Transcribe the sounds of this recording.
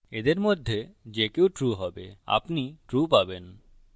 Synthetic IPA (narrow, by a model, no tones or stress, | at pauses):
ed̪eɾmod̪ʱːed͡ʑekewʈɾuɦɔbea̰pniʈɾupaben